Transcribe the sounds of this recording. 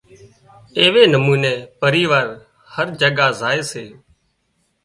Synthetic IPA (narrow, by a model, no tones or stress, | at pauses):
eːʋeːnəmuːneːpəɾiːʋaːɾ | həɾd͡ʒəɠaːzaːeːseː